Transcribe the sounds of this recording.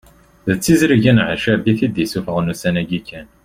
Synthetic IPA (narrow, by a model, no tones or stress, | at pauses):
ðət͡sːizɾiʝinʕəʃæbiθid̪jisufəʁnusænæɡikːæn